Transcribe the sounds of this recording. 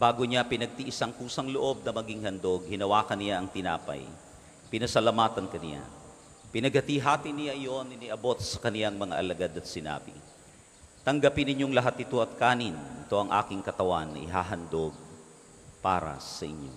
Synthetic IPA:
baːɡoɲapɪnɐɡ̚t̪iʔɪsaŋkuːsɐŋloʔo̞b̚nɐmɐɡiŋhɐnd̪o̞ɡ̚hɪnɐwaːkɐnɪjaʔɐŋt̪ɪna̰ːpɐ̰j | pɪnɐsɐlɐmaːt̪ɐnkɐnɪ̰ja̰ | pɪnɐɡ̚hɐt̪iɦaːt̪inɪjaʔɐjo̞nɪnɪʔɐbo̞t̪̚sɐ̥kɐnɪlaŋmɐŋa̰ʔɐlɐɡad̪ɐt̪̚sɪna̰ːbɪ̰ | t̪ɐŋɡɐpɪnɪɲjo̞ŋlɐɦat̪̚ːɪt̪o̞ʔɐt̪̚kaːnɪnɪt̪o̞ʔɐŋʔa̰ːkɪŋkɐt̪ɐwanːɐ̰ʔɪɦaːɦɐnd̪o̞ɡ̚ | pa̰ːɾɐ̰sɐʔɪ̰ɲjo̞̰

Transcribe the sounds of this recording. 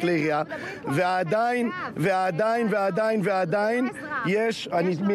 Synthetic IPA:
leʁia | vead̪aɪnvead̪ajnvead̪aɪnvead̪ajn | jɛʃanit̪mi

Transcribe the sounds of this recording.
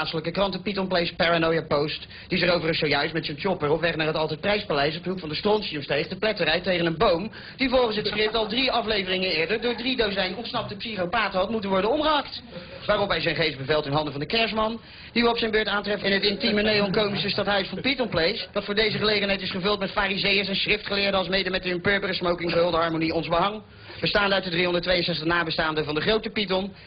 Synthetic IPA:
atsələkəkrɑntəpitɔnplejspaɹanojapowst | d̥izərowvərəsowjœɥstmɛtsənt͡ʃɔpəɹɔpʋɛχnaːɹɦətɑlˠtɛjt̚prɛjspalɛjsɔb̚dəɦukfɑndəstrɔnsiəmstejχdəplɛtərɛjtejχənənbowm | divɔlˠχəns̬ɦətskrɪp̚tɑlˠdriɑflejvərɪŋənɪːɹdəɹdʊːɹdridowzɛjnɔntsnɑp̚təpsiχowpaːtəɦɑtmutənʋɔɹdənɔmχəɦɑkt | ʋaːrɔpɦɛjzɛjnχejfsbəvɛlˠtɪnɦɑndəvɑndəkɛɹsmɑn | d̥iʋəɔpsɛjnbøːɹtaːntrɛfɛnɦətɪntimənejɔŋkowmisəstɑtɦœɥsfɑnpitɔnplejsdɑtfʊːɹdejzəχəlejχənɦɛjtɪsχəvɵlˠtmɛtfaːrizejəsɛnsχrɪftχəlɪːɹdəɑlˠsmejdəmɛtəɪmpøːɹbərəsmowkɪŋəɦɵlˠdəɦɑɹmoniɔnzbəɦɑŋ | b̥əstaːndəœtdədriɦɔndətʋejənsɛχtəχnaːbəstaːndəvɑndəχrowtəpitɔn

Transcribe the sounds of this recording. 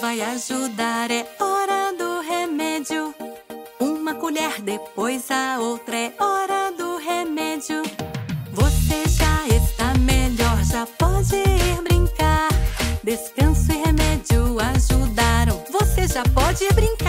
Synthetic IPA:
vajaʒud̪aɾɛɔɾɐd̪ʊɦemɛd͡ʒjʊ | ũmɐkuʎɛɾd̪epojzɐowt̪ɾɐɛɔɾɐd̪ʊɦemɛd͡ʒjʊ | voseʒaest̪ameʎɔɾʒapɔd͡ʒɪiɾbɾĩŋkaɾd̪eskɐ̃sʊɪhemɛd͡ʒʊaʒud̪aɾɐ̃w̃voseʒapɔd͡ʒɪibɾĩka

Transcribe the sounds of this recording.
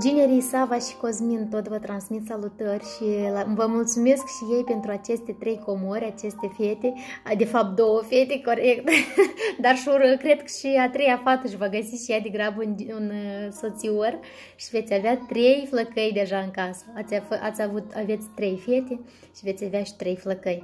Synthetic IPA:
d͡ʒine̞ɾijsavaʃi̥ko̞zmint̪o̞t̪vət̪ɾansmit̪salut̪ərʲʃilavəmult̪sume̞skʃije̞jpe̞nt̪ɾuat͡ʃe̞st̪e̞t̪ɾe̞jko̞moɾʲat͡ʃe̞st̪e̞fe̞t̪e̞d̪e̞fap̚t̪̚d̪o̞wəfe̞t̪e̞ko̞ɾekt̪d̪arʃuəkɾe̞d̪kʃiat̪ɾe̞jafat̪əʃ̬ivaɡəsiʃijad̪e̞ɡɾabəununso̞t̪sior | ʃive̞t̪sʲaveat̪ɾe̞jfləkəjd̪e̞ʒaɨŋkasə̥at̪sʲafʔat̪sʲavut̪ave̞t̪sʲt̪ɾe̞jfe̞t̪e̞ | ʃive̞t̪sʲaveaʃi̥t̪ɾe̞jfləkəj

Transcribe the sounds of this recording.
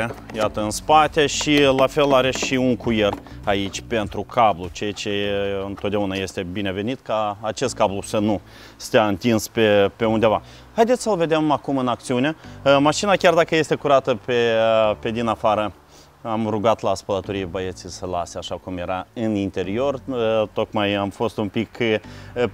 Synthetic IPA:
ejat̪əɨnspat̪e̞ʃilafe̞laɾe̞ʃiuŋkujer | ait͡ʃʲpe̞nt̪ɾukʰablut͡ʃejat͡ʃe̞ɨnt̪ot̪̚d̪eunaje̞st̪e̞bine̞ve̞nit̪kaːt͡ʃe̞st̪kablusənu | st̪eaɨnt̪inspe̞pe̞und̪e̞va | hajd̪et̪sʲsəlve̞d̪e̞makumɨnak̚t̪siune̞maʃinakʲard̪akəje̞st̪e̞kuɾat̪əpepe̞d̪inafaɾə | amruɡat̪laːspələt̪oɾijbəjet̪sijsəlaseaʃakumje̞ɾaɨnint̪e̞ɾio̞rt̪o̞kmajamfo̞st̪umpik

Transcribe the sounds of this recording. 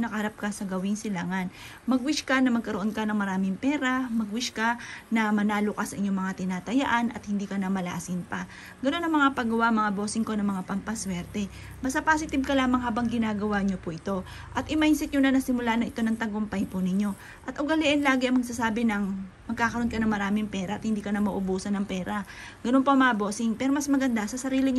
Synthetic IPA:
nɐkɐhɐɾap̚kɐsɐɡɐwɪŋsɪlaŋan | mɐɡwɪʃkɐnɐmɐɡ̚kɐɾoʔo̞nkɐnɐŋmɐɾaːmɪŋpɛːɾamɐɡwɪʃkanɐmɐnaːlokasɐʔɪɲːoŋmɐŋat̪ɪnaːt̪ɐjaʔanʔɐ̰t̪̚hɪnd̪iːkɐnɐmɐla̰ːsɪnpɐ | ɡɐno̞nɐŋmɐŋapɐɡɐwaʔɐŋmɐŋabo̞ːsɪŋko̞nɐŋmɐŋapɐmpɐswɛɾt̪ɛ | bɐst̪ɐpaːsɪt̪ɪb̚kɐlaːmɐŋɦaːbɐŋɡɪnaːɡɐwaɲopʊʔɪt̪o̞ | ʔɐt̪ʔɪmajnsɪt̪̚ɲonɐnɐsɪmʊlaːnɐʔɪt̪o̞nɐŋt̪ɐɡompɐjpʊnɪɲo̞ | ʔɐt̪ʔʊɡɐlɪʔɛnlaːɡɪʔɐŋmɐɡ̚saːsaːbɪnɐŋmɐɡ̚kaːkɐɾo̞nkɐnɐŋmɐɾaːmɪŋpɛːɾɐʔɐt̪hɪnd̪iːkɐnɐmɐʔʊbuːsɐnɐŋpɛːɾɐɡ̥ɐno̞npoʔɐmɐabo̞ːsɪŋpɛːɾomɐsmɐɡɐnd̪asɐsɐɾiːlɪɲ

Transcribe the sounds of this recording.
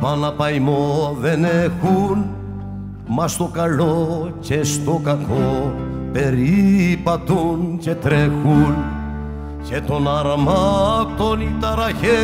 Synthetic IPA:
pɐnɐpɐjmovenexun | mɐst̪okalocest̪okako | peɾipat̪uncet̪ɾexun | cet̪onɐɾmakt̪onit̪ɐɾɐçe

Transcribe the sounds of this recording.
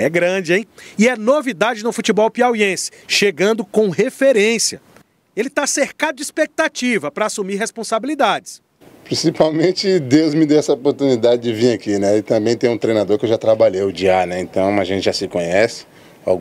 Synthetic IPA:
ɛɡɾɐ̃d͡ʒɪẽj̃ɪɛnovid̪ad͡ʒɪnʊfut͡ʃibɔwpiawiẽsɪ̥ʃeɡɐ̃nd̪ʊkõɦefeɾẽsiɐ | elɪt̪aseɾkad̪ʊd͡ʒɪispek̚t̪at͡ʃivɐpɾɐasumiɾɦespõsabilid̪ad͡ʒɪs | pɾĩsipawmẽt͡ʃɪd̪ewzmɪd̪ewɛsɐopoɾt̪unid̪ad͡ʒɪd͡ʒɪviɾakinɛɪt̪ɐ̃mbẽj̃t̪ẽj̃ũt̪ɾejnad̪oɾkɪewʒat̪ɾabaʎejʊd͡ʒianɛẽt̪ɐ̃w̃aʒẽnt͡ʃɪʒasɪkõɲɛsɪ̥ | a̰w

